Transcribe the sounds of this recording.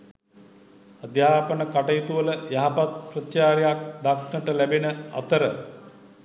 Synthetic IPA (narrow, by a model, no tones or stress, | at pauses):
ad̪jaːpənəkaʈəjit̪uʋələjaɦapat̪̚prət͡ʃaːɾejakd̪akɳəʈəlæbenəa̰t̪əɾə